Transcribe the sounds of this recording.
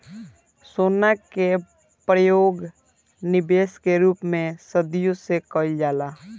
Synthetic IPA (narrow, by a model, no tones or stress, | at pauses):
soːnake | pɾəjoːɡ | nɪbeːskeɾuːpmẽsəd̪jõsekəld͡ʒaːlaː